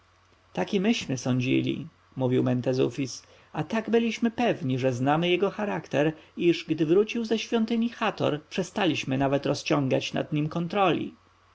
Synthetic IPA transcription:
t̪akʲɛmɘɕmɘsɔɲd͡ʑḭlʲḭ | muvʲiwmɛnt̪ɛzṵfʲis | at̪aɡbɘlʲiɕmɘpɛvɲiʐɛznamɘjɛɡɔxaɾakt̪ɛɾiʐɡd̪ɘvɾut͡ɕiwzɛɕfʲjɔnt̪ɘɲixat̪ɔ̰ɾpʂɛst̪alʲiɕmɘnavɛt̪ɾɔst͡ɕɔ̃ŋɡa̰t͡ɕna̰d̪ɲimkɔnt̪ɾɔlʲḭ

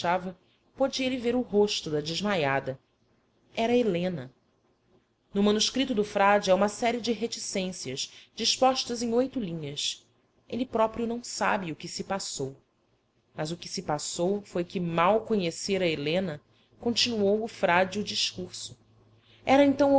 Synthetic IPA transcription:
avɐ | pod͡ʒiɐelɪveɾʊɦoʃt̪ʊd̪ɐd͡ʒɪʒmajad̪ɐ | ɛɾɐelẽnɐ | nʊmɐ̃nuʃkɾit̪ʊd̪ʊfɾad͡ʒɪɛũmɐsɛɾiɪd͡ʒɪɦet͡ʃisẽsiɐzd͡ʒiʃpɔʃt̪ɐzẽj̃ojt̪ʊlĩɲɐs | elɪpɾɔpɾiʊnɐ̃w̃sabɪʊkɪsɪpasow | mɐzʊkɪsɪpasowfojkɪmawkoɲeseɾɐelẽnɐ | kõnt͡ʃinuowʊfɾad͡ʒʊd͡ʒiʃkuɾsʊ | ɛɾɐẽnt̪ɐ̃w̃

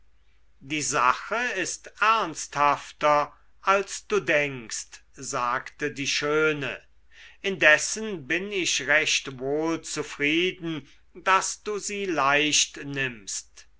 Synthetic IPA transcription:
diːzaχəɪstʔæɐnst̪haftɐ | ʔalsd̥uːdɛŋkstz̥aːktədiːʃøːnə̰ | ɪndɛsənbɪnɪʃʁɛʃtvoːlt͡sufʁiːdn̩ | dasd̥uːziːlaɪʃtnɪmst

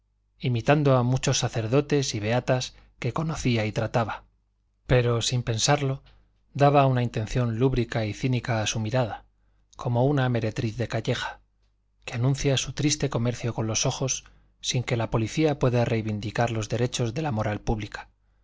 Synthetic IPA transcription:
imit̪and̪oamut͡ʃo̞sːaθe̞ɾðo̞t̪e̞siβ̞e̞at̪as | ke̞ko̞no̞θiait̪ɾat̪aβa | pe̞ɾo̞simpe̞nsaɾlo̞ | d̪aβaunaint̪e̞n̟θjo̞nluβɾikaiθinikaːsumiɾaða | ko̞mo̞uname̞ɾe̞t̪ɾiθðe̞kaʝe̞xḁ | keanũn̟θjasut̪ɾist̪e̞ko̞me̞ɾθjo̞ko̞nlo̞so̞xo̞sː | iŋke̞lapo̞liθiapwe̞ðare̞jβind̪ikaɾlo̞zðe̞ɾe̞t͡ʃo̞zðe̞lamo̞ɾalpuβlikḁ

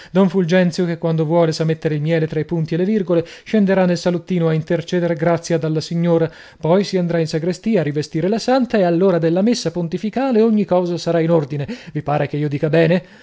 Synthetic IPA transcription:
d̪ɔɱfuld͡ʒɛnt̪sjokekːwand̪ovwɔːlesamet̪ːeɾeilmjɛːlet̪ɾaipunt̪ielːevirɡoleʃend̪eɾanːelsalut̪ːiːnoaint̪ert͡ʃɛːd̪eɾeɡɾat̪sːjad̪alːasiɲːoːɾa | pɔjsiand̪ɾainsaɡɾest̪iːaːrːivest̪iːɾelasant̪aealːoːɾad̪elːamesːapont̪ifikaːleoɲːikɔːzasaɾainord̪inevipaːɾek̟eiːod̪iːkabɛːne

